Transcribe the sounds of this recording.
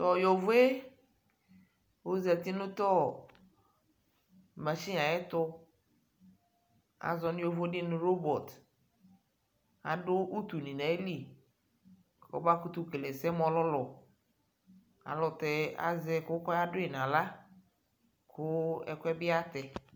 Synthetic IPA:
t̪ɔ˨jɔ˨vʊ˦e˦ | o˦zɛ˨t̪i˦nʊ̃˦t̪ɔ˦ | mã˨si˦a˨ɛ˦t̪ʊ˦ | a̰˨zɔ˨nʊ̃˦jo˨vʊ˦dɪ˦nʊ̃˨ɾo˦bɔ˨t̪ | a̰˨ɖʊ˦u˦t̪u˨nĩ˨nã˨e˦li˦ | ɔ̰˨ba˦kʊ˦t̪ʊ˦ke˨le˨sɛ˦mɔ̃˨lɔ˦lɔ˨ | a̰˨lɔ˨t̪ɛ˨a̰˨zɛ˨kʊ˦kɔ˦a˦dʊ˦ɛ˨n˨ã˨la˦ | kʰʊ˦ɛ̰˨kʷɛ˦bɪ˦a˦t̪ɛ˨

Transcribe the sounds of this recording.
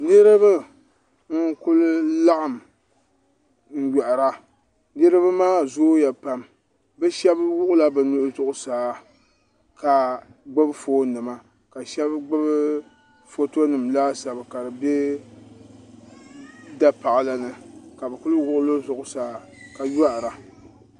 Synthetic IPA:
nɨ˦ɾɨ˦bɨ˦ | ŋ̩˦kʊ˦lʊ˦la˦ʔa˨m˨ | ŋ̩˦˨jɛ˨ʔa˨ɾa˦ | nɨ˦ɾɨ˦βɨ˦maː˦zoː˦ja˨pa˨m | bɨ˦ʃɛ˦bwʊ˦ʔʊ˦la˦bɨ˨nʊ˦ʔʊ˦zʊ˦ʔʊ˦saː˨ | ka˨ | ɡ͡ba˦bfoː˦nɨ˨ma˦ | ka˨ʃɛ˦bɡ͡bɨ˦b | fo˦to˦nɨ˨mlaː˦sa˨bɨ˨ka˨dɨ˨be˦ | da˦pa˨ʔa˨la˦nɨ˦ka˨bɨ˨kʊ˦lwʊ˦ʔʊ˦lo˦zʊ˨ʔʊ˨˦saː˨˦˨ | ka˨ja˦ʔɾa˨

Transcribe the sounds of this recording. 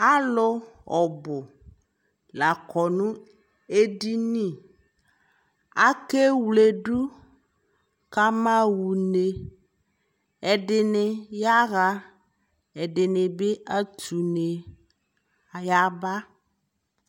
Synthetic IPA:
a˦lʊ˦ɔ˨bʊ˨ | la˨kɔ˨nũ˦ | e˦di˦nĩ˦˨ | a˦ke˦wle˨ɖu˦ | ka˦mã˦wu˨ne˨ | ɛ˨ɖɪ˨nɪ˨ja˦ɣa˦ | ɛ˨ɖɪ˨nɪ˨bɪ˦a˦tu˨ne˨ | ja˦ba˦

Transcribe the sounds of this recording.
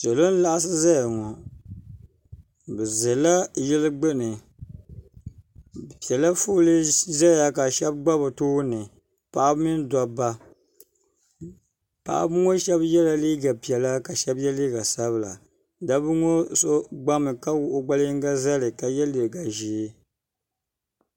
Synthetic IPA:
sɛ˨lo˦n̩˦la˦ʔa˦s̬ɨ˦za˦ja˨ŋɔ˨ | bɛ˨zɛ˨la˦jɛ˦lɨ˦ɡ͡bɨ˦nɨ˨ | bpi˨ɛ˨la˦fu˦lɨ˦za˦a˦ka˨ʃɛ˦bɡ͡ba˦bɨ˨toː˦nɨ˨ | pa˨ʔa˦bɨ˦mi˦n˦da˦ba˦ | pa̰˨ʔa̰˦bɨ˦ŋo˦ʃɛ˦bjɛ˦la˨li˦ɡa˨pi˨ɛ˨la˦ka˨ʃɛ˦bjɛ˦liː˦ɡa˨sa˦βɨ˨˦la˨ | da˦bɨ˦ŋo˦so˦ɡ͡ba˦mɨ˨ka˦wʊ˦ʔʊ˦ɡ͡ba˦lŋ˦ɡa˦za˦lɨ˨ka˨jɛ˦lɨ˨ɡa˨ʒi˨˦

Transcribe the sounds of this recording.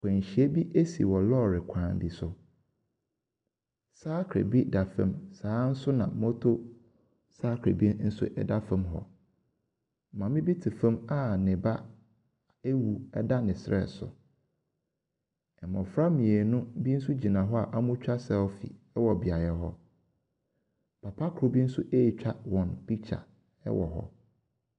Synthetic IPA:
kʰɛ̃˨ɲ˨ɕi˨e˦bi˦ʔe˦sḭ˨wɔ˨lɔ˦˨ɾɪ˨kʷʰãː˨n˨dɪ˨sʊ˨ | saː˦kʰɾḛ˨bi˦da˨fã̰˦msaː˨˦n̩˦sʊ˦nã̰˨mɔ̃˦tʰo˦ | saː˦kʰɾḛ˨bi˦n̩˦sʊ̰˦ʔɛ̰˨da˦fã˦mɦɔ̰˨ | mã˨˦mɪ̃˦bi˦tʰi˨fã˦ma˦nɪ̃˨ba˦ | e˦wu˨ɛ˦da˦nɪ̃˨sɾɛ̰˨sʊ̰˨ | ɛ˨mɔ̃˨fɾa˦mĩ˨e˨nʊ̃˦bi˦n̩˦s̬ʊ˦d͡ʑi˨nã˨ɦɔ˦a˨ʔa˦mʊ̃˦t͡ɕᶣa˦sɛ˨ɔ˦fḭ˨ɛ˦wɔ˨bi˨a˨jɛ˨ɦɔ˦ | pʰa˨pʰa˦kʰɾo˦bi˦n̩˦sʊ˦ʔe˦˨t͡ɕᶣa˦wɔ̃˨nb̥i˦t͡ɕʰa̰˨ | ɛ̰˦wʔɔ̰˨ɦɔ̰˦

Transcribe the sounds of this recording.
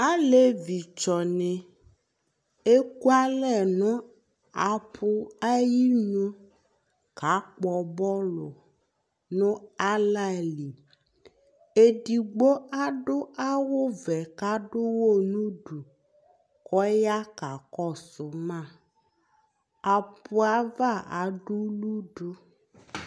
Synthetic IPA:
a˦le˦vi˨t͡ʃɔ˨nɛ̃˨ | e˦ku˦a˦lɛ˨nɔ̃˦ | a˨pʰu˦a˦ji˦ɲõ˦ | ka˨˦k͡pɔ˨bɔ˦lo˨ | nõ˦a˦la˦˨li˨ | e˨di˨ɡ͡bo˦a˦ɖo˦ʔa˦wo˦vɛ˨ka˦ɖo˦wo˦˨nũ˦ɖu˨ | kɔ˦ja˦ka˨kɔ˦˨sʊ˨mã˦˨ | a˨pu˨a˦va˦˨a˨ɖu˦lu˦ɖo˦

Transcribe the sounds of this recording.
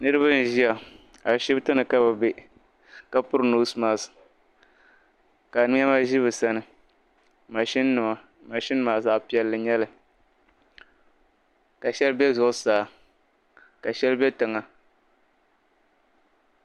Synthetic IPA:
nɨ˦ɾɨ˦βa˦n̩˨ʒi˦a˨ | a˨ʃɪ˦btɨ˦nɨ˨ka˦ba˨be˦ | ka˦pʊ˦ɾno˦smaː˦˨sɨ̥˨ | ka˨nɨ˦m˦a˦ma˦ʒi˦βɨ˨sa˦nɨ˨ | ma˨ʃi˦nːɨ˨ma˨ | ma˨ʃɪ˦n˦maː˨za˦pi˨ɛ˨lːɨ˨ɲɛ˦lɨ˨ | ka˨ʃɛ˦lbɛ˦zʊ˨ʔʊ˦saː˨˦˨ | ka˨ʃɛ˦lbɛ˦tɨ˨ŋa˨

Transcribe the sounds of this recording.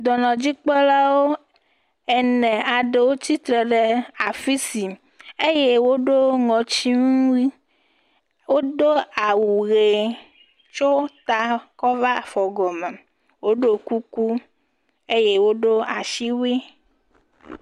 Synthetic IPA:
d̪ɔ˨nɔ̃˨d͡ʑi˦k͡pɔ˦la˦wo˦ | ɛ˨nɛ̃˨a˨ɖe˨wo˦t͡ɕi˦t̪ɾe˨ɖe˨a˨fi˦si˨ | e˦je˦wo˦ɖo˦ŋɔ̃˨t͡ɕi˦ŋũ˦wi˦ | wo˦ɖo˦a˨wu˨ɣe˨ | t͡ʃo˦t̪a˦kɔ˦va˦fɔ˨ɡɔ˨mɛ˨ | wo˦ɖo˦ku˦ku˦ | e˦je˦wo˦ɖo˦a˨ʃi˦wi˦

